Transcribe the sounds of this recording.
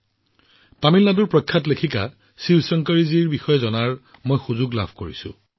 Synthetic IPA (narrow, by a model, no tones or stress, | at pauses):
pamilnaduɹpɹɔjkʰːatlekʰika̰ | siwsɔŋkaɹiziɹbixɔjɛzɔnaɹ | mojxuzʊɡla̰bʱkoɹisʊ̰̃